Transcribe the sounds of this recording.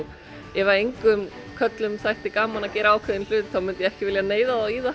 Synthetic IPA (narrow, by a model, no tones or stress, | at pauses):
ɛvaejŋkʏm | kʰœt̪lʏmsajht̪ɪkaːmanacɛːɾaaːwkʰvɛðɪnl̥ʏːt̪θawmʏnt̪jɛɛhcɪvɪljaneːjðaðawiːða